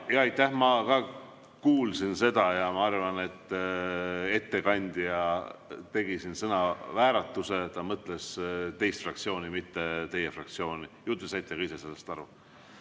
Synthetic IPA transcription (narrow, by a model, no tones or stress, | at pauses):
jɑɑjt̪ˑːæhmɑkɑ | kuːlsinse̞d̪̥ɑjɑmɑɑrvɑne̞t̪ː | e̞t̪ːe̞kɑnʲd̪̥jɑt̪e̞ɡ̥isinsɤnɑvæːɾɑt̪ːˑuse̞t̪ɑmɤt̪ˑle̞st̪e̞jst̪frɑk̚t̪sio̞ːnimit̪ːe̞t̪e̞jefrɑ̰k̚t̪sio̞ːnijut̪ːˑusɑjt̪ːˑeɡ̥ɑise̞se̞lːest̪ɑɾu